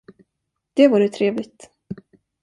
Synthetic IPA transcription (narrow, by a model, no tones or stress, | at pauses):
d̪̥ɛvuːɾət̪ʰɾeːvlɪɡ̚t̪